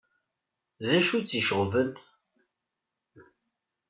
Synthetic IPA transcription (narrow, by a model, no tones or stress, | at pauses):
ðæʃut͡sːiʃəʁvənt̪